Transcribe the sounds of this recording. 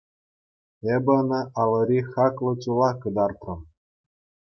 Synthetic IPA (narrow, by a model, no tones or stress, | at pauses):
ebʲɘ̆nɤ̆ʔɑlˠɤ̆ɾʲixɑklˠɤ̆t͡ɕulˠɑkɤ̆d̪ɑrt̪rɤ̆m